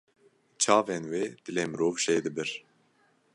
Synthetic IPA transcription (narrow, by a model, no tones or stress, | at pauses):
t͡ʃʰɑːvenweːd̪̥ɨleːmɾoːvʃed̪ɨbɨɾ